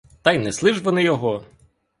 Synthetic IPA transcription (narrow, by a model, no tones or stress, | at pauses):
t̪ɑjnɛslˠɪʒʋɔnɪjɔɦɔ